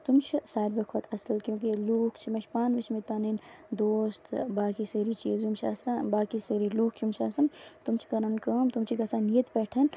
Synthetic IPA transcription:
t̪umt͡ʃʰsaːɾbɐkʰot̪ʰɐsɐlkjõːkiluːkʰt͡ʃʰimɐʃʰpaːnʋɐt͡ʃʰmit̪̚paːnend̪oːst̪baːkiseːɾit͡ʃḭːzumt͡ʃʰa̰sabaːkiseɾiluːkʰkjumt͡ʃʰasɐnt̪umt͡ʃʰi̥kɐɾankɐːmt̪umt͡ʃʰikɐsãːnijət̪pɛːʈʰɐn

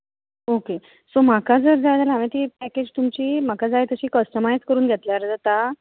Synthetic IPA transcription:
oke | som̤akad͡zəɾd͡zajt̪alamẽt̪ipæked͡ʑt̪umt͡ɕiːm̤akad͡zajt̪əɕiːkəsʈəmajskəɾuːnɡʱet̪ljaɾd͡zat̪a

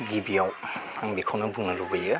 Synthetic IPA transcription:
ɡibijaw | aŋbikʰawnɐbuŋnɐlubɐjɯ

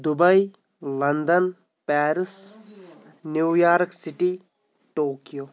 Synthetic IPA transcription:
d̪ubɐj | lɐnd̪ɐn | pɛːɾis | njuwjaːɾksiʈi | ʈoːkijoː

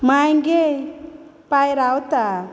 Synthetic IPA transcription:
majŋɡe | pajɾawt̪a

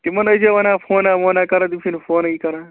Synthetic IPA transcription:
t̪imɐnɐd͡ʒɐʋɐnãːfʰoːnaːmoːnaːkɐɾãd̪it͡ʃʰinfoːnɐikɐɾãː

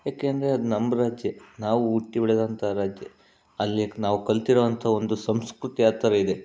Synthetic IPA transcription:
jaːke̞ːɐnd̪ɐɾeɐd̪unɐmbɐɾaːd͡ʒjɐnaːʋuuʈːibiɭed̪ɐnt̪ʰɐɾaːd͡ʒjɐ̰ | ɐlːinaːʋukɐɭt̪iɾoːɐnt̪ʰɐo̞nd̪usɐmskɾut̪iaːt̪ːɐɾɐid̪e̞

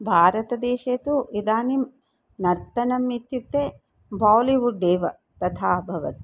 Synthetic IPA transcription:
bʱaːɾɐt̪ɐd̪eːʃeːt̪uid̪aːnim | nɐɾt̪ɐnɐmːit̪juk̚t̪eː | baːwliʋuɖːeːʋɐ | t̪ɐt̪ʰaːbʱɐʋɐt̪i̥

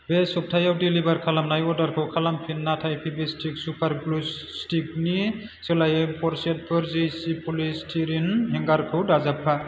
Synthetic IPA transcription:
besɔp̚tʰajawdilibaɾkʰalamnajɔɾdaɾkʰɯwkʰalampʰinːatʰajpʰibistʰik̚supʰaɾblus | stik̚ni | sɯlajempʰɔɾset̚pʰɯɾzijsipʰulistʰiɾinɦɛŋɡaɾkʰɯwdazap̚ʰːa

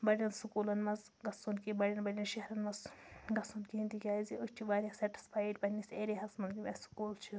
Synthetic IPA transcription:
bɐɽʲɐnsukuːlɐnmɐz | ɡɐsunkibɐɽʲɐnbɐɽʲɐnʃeɾɐnmɐzɡɐsunkiĩnt̪ikʲaːiziʔut͡ʃʰiʋaːɾʲɐsɐʈi̥spʰaːjiɖpɐnːiseːɾiɦɐsmɐnɡimʲesu̥kuːlt͡ʃʰi

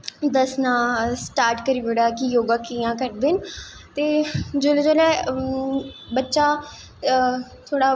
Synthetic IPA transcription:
d̪əsnãːsʈaːɾʈkəɾiːʋəɽaːkɪjoːɡaːkijãːkəɾd̪ɪnt̪eːd͡ʒoːled͡ʒoːlɛː | bətːʃaː | t̪ʰoːɽaː

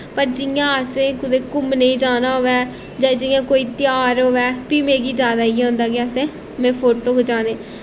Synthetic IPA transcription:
pəɾd͡ʒɪjãːəsẽːkʊd̪eːkʊmneĩːd͡ʒaːnaːɦoːʋɛː | d͡ʒãːd͡ʒɪjãːkoːiːt̪ɪjaːɾɦoːʋɛːpiːmẽːɡiːd͡ʒaːd̪aːiːɦõːnd̪aːkiasẽː | mɛ̃ːpʰoːʈoːɦoːd͡ʒaːneː

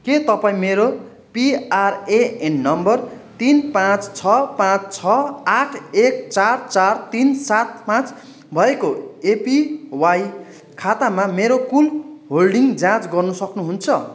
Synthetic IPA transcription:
ket̪ʌpãĩmeɾo | piareenːʌmbʌrt̪inpãt͡st͡sʰʌpãt͡st͡sʰʌaʈʰek̚t͡sart͡sart̪insat̪̚pãt͡s | bʱʌekoepiwaj | kʰat̪amameɾokulɦolɖiŋd͡zãt͡sɡʌrnusʌknuɦunt͡sʰʌ

